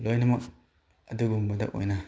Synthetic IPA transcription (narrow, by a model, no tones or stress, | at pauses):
lojnɐmɐk̚ | ɐduɡuŋbɐda̰ʔo̰jna